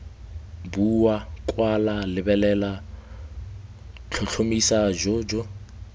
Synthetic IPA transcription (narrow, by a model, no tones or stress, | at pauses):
buwakʼwalalɪbɛlɛla | t͡ɬʰɔɬʰomisad͡ʒɔd͡ʒɔ